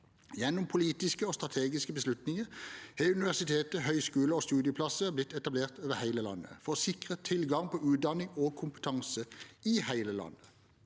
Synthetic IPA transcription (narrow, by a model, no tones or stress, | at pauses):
jɛnːʊmpʰʊliːt̪ɪskəoːst̪ʁɑt̪ʰeːɡɪskəbəslʉt̪nɪŋəheʉnɪʋæʁsɪt̪ʰeːt̪əhœʏskʉːləoːst̪ʉːd̪ɪəpʰlɑsəblɪt̪ːɛt̪ɑbleːʁt̪ʰøːʋəhæɪləlɑ̰nːə̰fɔʁoːsɪkʁət̪ʰɪlɡɑŋpʰɔʉːt̪̚d̪ɑnɪŋoːkʰʊmpə̥t̪ʰɑŋsəiːhæɪləlɑ̰nːə